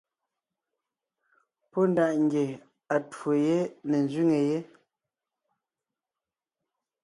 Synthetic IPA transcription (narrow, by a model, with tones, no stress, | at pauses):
pɔ˦n˨da˨ʔŋ˦ɡje˨ | a˨two˨je˦ne˨n˨zɥi˦ŋe˨je˦